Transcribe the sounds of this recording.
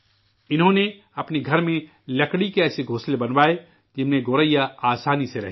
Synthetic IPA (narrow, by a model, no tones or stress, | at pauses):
ɪnɦõne | ɐpneɡʱɐɾmẽ | lɐkɽikeɛːseɡʱoːslebɐnʋaːe | d͡ʒɪnmẽɡoːɾəjaaːsaːniseɾɐ̰ɦ